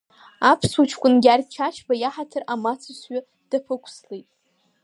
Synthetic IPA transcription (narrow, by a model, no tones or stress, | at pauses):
apʰswat͡ʃʰkʷʼʊnɡʲart͡ʃʰat͡ʃʰbajaħatʰɨramat͡sʰɨsɥa | d̥apʰɨkʷʰslejtʼ